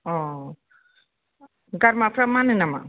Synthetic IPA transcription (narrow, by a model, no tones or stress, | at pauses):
ɔ | ɡɐɾmapʰɾamːanɯnama̰